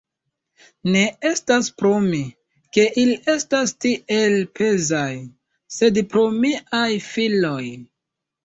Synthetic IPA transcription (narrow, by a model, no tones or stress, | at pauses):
ne̞estaspɾomi | ke̞ʔiliʔe̞stastiʔe̞lpʰe̞zaj | se̞dpɾo̞miajfilo̞j